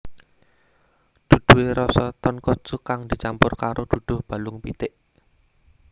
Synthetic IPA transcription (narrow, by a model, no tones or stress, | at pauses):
d̪̥ṳd̪̥ṳweɾɔsɔt̪ɔnkɔ̥ʒ̥ukaŋd̪̥i̤t͡ʃampʊrkaɾʔod̪̥ṳd̪̥ʊ̤hb̥a̤lʊŋpit̪ɪʔ